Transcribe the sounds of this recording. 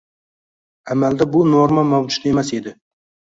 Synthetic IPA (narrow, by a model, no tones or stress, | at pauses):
amald̪abʊnoɾmamawd͡ʒʊ̥t̪e̞mase̞d̪ɪ